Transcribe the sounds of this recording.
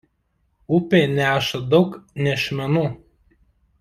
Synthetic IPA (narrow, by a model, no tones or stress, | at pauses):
ʊpʲeːnʲæːʃɐd̪ɒʊknʲɛʃʲmʲɛnuː